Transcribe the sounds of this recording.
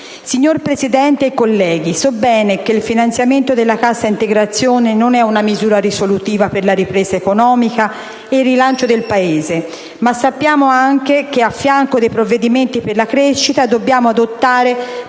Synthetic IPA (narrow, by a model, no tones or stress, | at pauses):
siɲːorpɾezid̪ɛnt̪eakolːɛːɡisɔbːɛːnekeilfinant̪sjament̪od̪elːakasːaint̪eɡɾat̪sːjoːnenonɛunamizuːɾaɾisolut̪iːvaperlaɾipɾeːzaekonɔːmika | erːilant͡ʃod̪elpaeːze | masːapːjaːmoaŋkek̟eafːjaŋkod̪ejpɾovːed̪iment̪iperlakɾeʃːit̪ad̪obːjaːmoad̪ot̪ːaːɾe